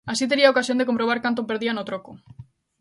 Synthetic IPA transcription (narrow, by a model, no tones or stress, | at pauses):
asit̪̬e̞ɾiaokasjo̞nd̪ekompɾoβ̞aɾkant̪̬opeɾðianot̪ɾoko